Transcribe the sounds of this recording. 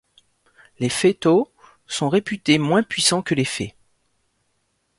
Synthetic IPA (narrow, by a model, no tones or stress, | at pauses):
lefet̪o | sɔ̃ʁepyt̪emwɛ̃pɥisɑ̃kəlefɛ̰